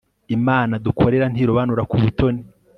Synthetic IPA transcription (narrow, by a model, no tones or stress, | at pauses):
imaːnadukʰo̞ɾe̞ɾan̥iːɾoβanuɾakuβuto̞ni